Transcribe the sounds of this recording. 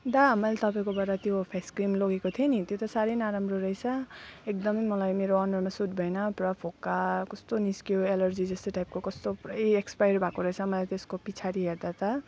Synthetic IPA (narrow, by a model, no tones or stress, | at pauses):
d̪amʌlt̪ʌpaĩkobaɾat̪jopʰeskrimloɡekot̪ʰienit̪jot̪ʌsaɾʌjnaɾamroɾʌjt͡sʰʌekd̪ʌmʌjmʌlajmeɾoʌnʌrmasud̪bʱʌjnʌprʌpʰokakʌst̪oniskijoelʌrd͡zid͡zʌst̪oʈajp̚kokʌst̪opeekspajʌɾbʱakoɾʌɦjt͡sʰʌmʌlajt̪eskopit͡sʰaɾiɦeɾd̪at̪ʌ